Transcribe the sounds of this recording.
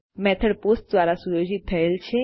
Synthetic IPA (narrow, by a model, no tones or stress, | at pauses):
mɛt̪ʰəɽposʈ̚d̪ʋaɾasujod͡ʒit̪ʰːəelt͡ʃʰe